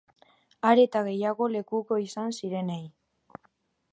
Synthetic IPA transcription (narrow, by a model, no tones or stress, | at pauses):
aɾe̞t̪aɣe̞jaɣ̞o̞le̞kuko̞isansiɾe̞nej